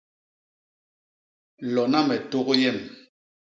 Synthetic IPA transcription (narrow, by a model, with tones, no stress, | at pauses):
lɔ˨na˦mɛ˨to˦ɣo˦jɛ˦˨m